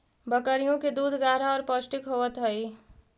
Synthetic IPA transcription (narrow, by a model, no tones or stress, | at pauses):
bəkəɾijõked̪ud̪ʱɡaɾaɔɾpʌsʈikɦowət̪ɦəj